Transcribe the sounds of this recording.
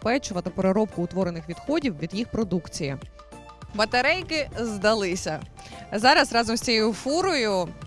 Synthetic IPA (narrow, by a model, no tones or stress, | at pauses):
pɛt͡ʃʊʋɐt̪ɪpeɾeɾɔp̚kʊːt̪ʋɔɾenɪxʋʲid̪xɔdʲiwʋʲid̪jixpɾɔd̪ukt͡sʲiji | bɐt̪eɾɛjkɪzd̪ɐlˠɪsʲɐ | zɑɾɐsrɑzɔmsʲt͡sʲijejʊfuɾɔjʊ